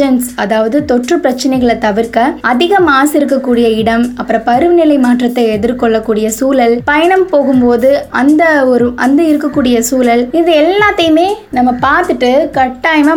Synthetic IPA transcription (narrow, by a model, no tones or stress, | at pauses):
ɐnsɐðaːʋɐðɯt̪ɔʈrɯpɾɐt͡ʃːɐnɐɪɣɐɭɐt̪ɐʋɪɾkɐɐðɪɣɐmaːsɪɾɯkːɐkːuːɽɪjɐɪɽɐmɐpːɯɾɐ̃pɐɾɯʋnɪlɐɪmaːʈrɐt̪ːɐɪɛðɪɾkɔɭːɐkːuːɽɪjɐsuːlɐlpɐjɐɳɐmpoːɣɯmpoːðɯɐnd̪ɐɔɾɯʔɐ̰nd̪ɯɪɾɯkːɐkːuːɽɪjɐsuːlɐlɪðɯɛlːaːt̪ːɐjɯmeːnɐmːɐpaːɾt̪ɯʈːɯkɐʈːaːjmɐ